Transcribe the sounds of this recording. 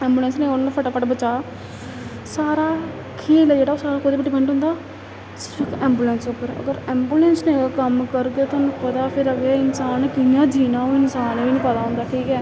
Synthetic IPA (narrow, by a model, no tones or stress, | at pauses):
ɛ̃ːmbuːlɛ̃nsnẽːonːpʰəʈaːpʰəʈbət͡ʃaː | saːɾaː | kʰeːlɛd͡ʒeːɽaoːsaːɾaːkoːd̪iːpəʈːiːbɛ̃ːɳʈõːnd̪aː | sɪkɛ̃ːmbuːlɛ̃ːnsopːəɾə̰ɡəɾɛːmbuːlɛːnsnekəmkəɾɡaːt̪oːnũːpəd̪aːpʰɪɾəɡaːɪnsaːnːkɪjãːd͡ʒiːnãːoɪnsaːnʋiːnĩːpəd̪aːɦʊ̃nd̪aːʈʰiːkɛː